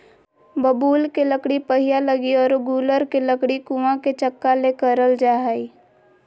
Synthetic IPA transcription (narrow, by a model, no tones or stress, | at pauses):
bəbuːlkeləkɽipəɦijaləɡiɔːɾɡuːləɾkeləkɽikuãket͡ʃəkːalekəɾəld͡ʒaːɦi